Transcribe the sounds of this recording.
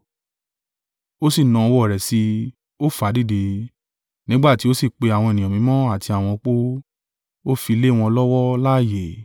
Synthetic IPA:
o˦si˦˨nã˨˧wɔ˦˨ɾɛ˨si˧ | o˦fa˨˦di˦˨de˧ | nĩ˦ɡ͡ba˦˨ti˨˦o˦si˦˨k͡pe˧a˨w̃ɔ̃˧e˨nĩ˨mĩ˨˦mɔ̃˦a˦˨ti˧a˨w̃ɔ̃˧k͡po˦ | o˦fi˧le˦˨w̃ɔ̃˧lɔ˦wɔ˦la˦˨je˨

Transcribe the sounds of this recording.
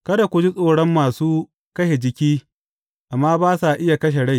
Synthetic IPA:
kɐ˦da˨kʷʊ˨d͡ʒi˦sʼoː˦˨ɽɔ˦mːaː˨suː˦ | kɐ˦ʃe˨d͡ʒɪ˨kʲiː˦ | ʔa˨mːaː˦baː˦sa˨ʔɪ˦ja˨kɐ˦ʃ̬e˨ɽa˦j

